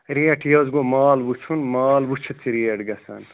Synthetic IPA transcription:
ɾieʈʰjɐzɡomaːlbut͡ʃʰunmaːlbut͡ʃʰut͡sʰiɾieɖɡɐsɐn

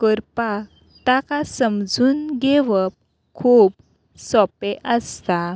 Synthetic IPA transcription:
kəɾpa | t̪akasəmd͡zuːnɡeʋəp̚ | kʰuːp | sɔpeʔəst̪a

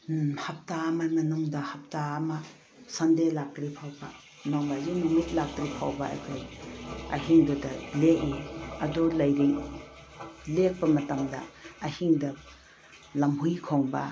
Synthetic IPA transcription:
hɐp̚tamamɐnuŋdɐhɐp̚taːma | sɐndelak̚tɾipʰawba | mamazimimitlak̚tɾipʰa̰wbaa̰jkʰojɐ̰ɦiŋdudɐleʔiɐdulɐjɾi | lek̚pɐmɐtɐmdɐ̰ːhiŋdɐ | lɐmɦujkʰoŋbɐ̰

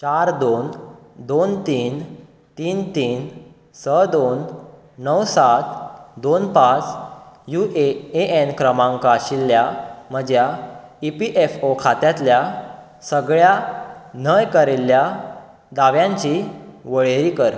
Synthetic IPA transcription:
t͡ɕaɾd̪on | d̪ont̪iːn | t̪iːnt̪iːn | səd̪onː | əwsat̪d̪onpat͡sjuʔeeʔenkɾəmãŋkaɕilːjam̤əd͡ʑjaipiʔefokʰat̪jat̪lja | səɡɭjanəjkəɾelja | d̪aʋjãɲt͡ɕiʋəɭeɾikəɾ

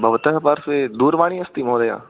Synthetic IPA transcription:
bʱɐʋət̪əɦpɐɾsed̪uːɾʋaːɽ̃iɐst̪imõːd̪ɐja̰ː

